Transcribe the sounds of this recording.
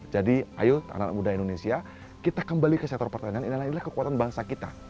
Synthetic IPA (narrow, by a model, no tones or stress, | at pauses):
d͡ʒadiʔa̰jut̪a̰na̰mudajindonesia | kit̪akəmbalikəsɛk̚t̪ɔrpərt̪anianinilainilahkəkuat̪anbaŋsakit̪a